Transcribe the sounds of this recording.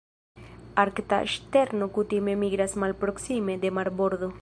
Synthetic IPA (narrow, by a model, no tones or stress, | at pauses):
aɾkt̪a̰ḛʃt̪eɾnokut̪imemiɣɾasmalpɾoksimed̪emaɾboɾðo